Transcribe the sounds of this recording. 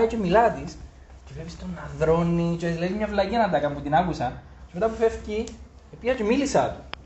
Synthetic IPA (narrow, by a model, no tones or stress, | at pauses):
it͡ʃemilɐt̪is | t͡ʃevlepist̪onːɐðɾo̞nːit͡ʃzlɐizmɲɐvlɐciɐnɐnd̪ɐkɐmput̪inɐkusɐn | t͡ʃemet̪ɐpufefci | opiɐt͡ʃemilisɐ̰t̪u̥